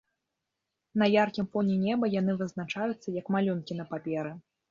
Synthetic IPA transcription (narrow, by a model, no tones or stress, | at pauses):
nɐjarkʲimfɔnʲɛnʲɛbɐjan̪ɨvɨznat͡ʂajut̪sːɐjɐkmalʲunkʲinɐpapʲɛɾɨ